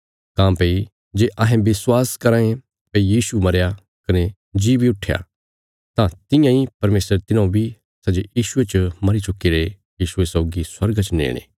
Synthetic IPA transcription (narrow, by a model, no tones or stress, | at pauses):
kãːmpei | d͡ʒeːʔɐɦẽbɪswaːskɐɾãːẽ | peijiːsumɐɾja | kɐne | d͡ʒiːbʱiʊʈʰːja̰ | t̪ãt̪ɪ̃jãːipɐɾmeːsɾt̪ɪnãbʱi | sɐd͡ʒejiːʃʊet͡ʃmɐɾit͡ʃʊkːiɾe | jiːʃʊesɔːɡisɐɾɡat͡ʃnḛːɽ̃ḛː